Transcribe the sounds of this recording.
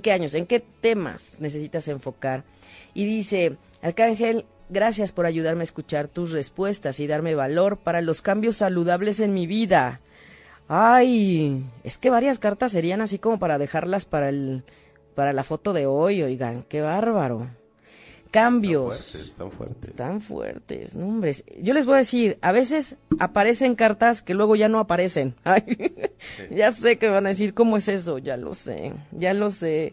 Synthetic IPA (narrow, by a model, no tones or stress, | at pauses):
ekeaɲo̞se̞ŋke̞t̪e̞ma̰sne̞s̬e̞sit̪ase̞ɱfo̞kaɾ | iðise̞ | alkaŋxe̞l | ɡɾasjaspo̞ɾaʝuðaɾmeaeskut͡ʃaɾt̪usre̞spwe̞st̪asiðaɾme̞βalo̞ɾpaɾalo̞skambjo̞sːaluðaβle̞s̬e̞nmiβiða | aj | e̞ske̞βaɾjaskaɾt̪as̬ːe̞ɾianasiko̞mo̞paɾaðe̞xaɾlaspaɾael | paɾalafo̞t̪o̞ðe̞ojo̞jɣa̰ke̞βaɾβaɾo̞̰ | kambjo̞sw̰ɾt̪aɱfwḛɾt̪ḛsnõmbɾe̞sɟ͡ʝo̞le̞zβojaðesiɾaβe̞s̬e̞sapaɾe̞se̞ŋkaɾt̪aske̞lwe̞ɣo̞ʝano̞apaɾe̞se̞naj | ʝase̞kemeβanaðes̬iɾko̞mo̞e̞se̞s̬o̞ʝa̰lo̰sḛʝalo̞se